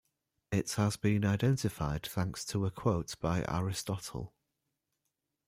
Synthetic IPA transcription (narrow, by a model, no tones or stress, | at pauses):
ɪthəzbĩnaɪdɛ̃ntɪfaɪd̪̥̚θãŋkstʰəəkʰw̥oʊtb̥aɪʔa̰ɹɪstɒtʰə̰lˠ